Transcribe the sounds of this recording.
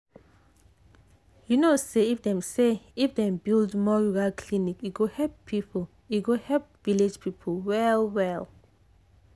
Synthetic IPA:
junoseifdɛ̃mseifdɛ̃mbildmɔɹuɹalkʰlinikjuɡohɛlppʰipʰɔl | juɡohɛlp̚vile̥d͡ʒpʰipʰɔlwɛlwɛl

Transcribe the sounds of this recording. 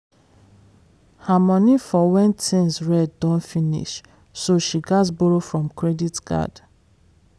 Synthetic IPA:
hamɔ̃nifɔwɛ̃ntʰĩnsɹɛddɔ̃nfĩnḭʃ | soʃiɡasbɔɹofɹɔ̃mkʰɹɛditɡa̰d

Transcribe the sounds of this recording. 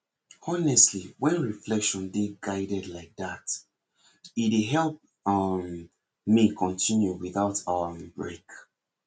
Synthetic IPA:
ɔnɛstliwɛ̃nɹiflɛkʃɔ̃ndeɡaɪdɛdlaɪk̚ðat | ieɦɛlˠp̚ | ʌm | mikʰɔ̃ntʰĩnjuwiðaʊtʰawəbɹḛk

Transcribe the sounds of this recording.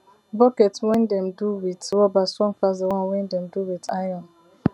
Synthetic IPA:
bɔkɛtwɛ̃ndɛ̃mduwitwɔbastɹɔ̃ŋfazewɔ̃nwɛ̃ndɛ̃mduwitajɔ̃n

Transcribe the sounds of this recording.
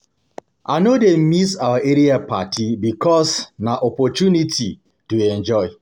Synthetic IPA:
a̰nodem̩misawaʔeɾiapatʰibikɔsnaʔɔpɔtunitʰi | tuẽnd͡ʒɔɪ

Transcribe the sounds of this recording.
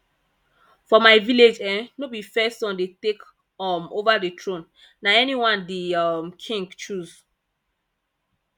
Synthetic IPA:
fɔmaɪviled͡ʒɛ̃nnobifɛstɔ̃ndetek | ɔmovadətʰɹõn | naɛniwãndimkʰĩŋɡt͡ʃuz

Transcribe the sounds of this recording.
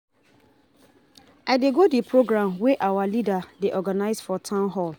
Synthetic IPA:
aɪdeɡodipʰɹoɡɹãmweʔawalidadeʔɔɡanaɪzfɔtʰãʊ̃nɦɔl

